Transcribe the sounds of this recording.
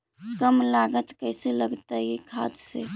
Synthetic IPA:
kəmlaɡət̪kəɪseləɡt̪aɦikʰad̪sḛ

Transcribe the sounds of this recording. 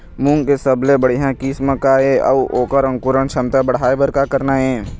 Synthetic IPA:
mũŋkesəblebəɽ̤iɦãkiːsməkaːeə̰ʋoːkəɾə̃ŋkʊɾənʃʰəmt̪abəɽ̤aːebəɾkakəɾnaɦɛ̃ː

